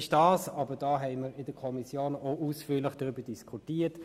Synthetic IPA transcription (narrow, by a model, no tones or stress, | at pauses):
ɪʃd̥ɑːsɑːbəd̥ɑːɦɛɪməɾɪdəkʰɔmisjoːnoʔuːsfyːlɪχd̥ʁybədiskʰutiːɐt